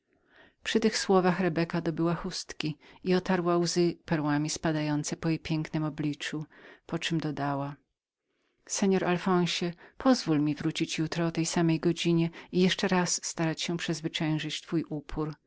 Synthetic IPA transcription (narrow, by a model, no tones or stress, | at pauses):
pʂɨt̪ɘxswɔvaxɾɛbɛkad̪ɔbɘwaxust̪kʲiiɔt̪aɾwawzɘpɛɾwamʲispad̪ajɔnt̪sɛpɔjɛpʲjɛŋknɨmɔblʲit͡ʂupɔt͡ʂɘmd̪ɔd̪awa | sɛɲɔɾalfɔ̃w̃ɕɛpʰɔzvulmʲivɾut͡ɕit͡ɕjut̪ɾɔːt̪ɛjsamɛjɡɔd͡ʑiɲɛijɛʂt͡ʂɛɾasːt̪aɾat͡ɕɕɛ̃pʂɛzvɘt͡ʂɛ̃w̃ʐɘt͡ɕt̪fujʔupʰuɾ